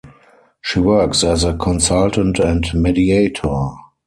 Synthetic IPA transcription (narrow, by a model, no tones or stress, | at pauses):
ʃiwɜ˞ksɛzəkʰɔ̃nsaltə̃ntɛ̃ntmɛdieɪtʰɔ